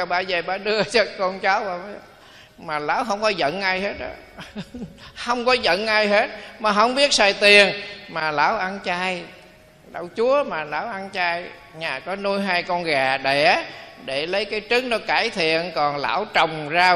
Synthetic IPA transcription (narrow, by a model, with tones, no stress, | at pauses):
a˨˧˩ɓa̰ː˧˩zə˨˩ɓaː˧˩ɗɨ˧ət͡ɕɔ˧kɔ˧nt͡ɕa˨˦wɓaː˨˩m˨˦˨ | maː˨˩la̰ː˧˥wɦə˧wŋ͡mkɔ˨˦zə̰˧˨nʔaː˧jhe˦˥t̚ɗɔ̰˧˨˦ | hə˧wŋ͡mkɔ˨˦zə̰˧˨nʔaː˧jɦe˦˥t̚maː˨˩ɦə˧˩wŋ͡mɓi˦˥ət̚saː˨˩jt̪i˨˩ənmaː˨˩la̰ː˧˩wʔa˧nt͡ɕaː˧j | ɗə̰˧˩wt͡ɕu˨˦əmaː˨˩la̰ː˧˩wʔa˧nt͡ɕaː˧j | ɲaː˨˩kɔ˨˦nu˧jɦaː˧jkɔ˧nɣaː˨˩ɗe˧˩ɗe˧˩lə˨˦jkaː˨˦jt͡ɕɨ˨˦˥ŋnɔ˨˦kaː˧˩jt̪ʰḭ˧˨ənkɔ˨˩nla̰ː˧˩wt͡ɕə˨˩wŋ͡mzaː˧